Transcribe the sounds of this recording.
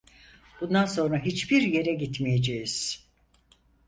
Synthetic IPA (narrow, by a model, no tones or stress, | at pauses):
b̥und̪anso̞nɾaɦit͡ʃbiɾje̞ɾɛɟit̪mijed͡ʒejiz̥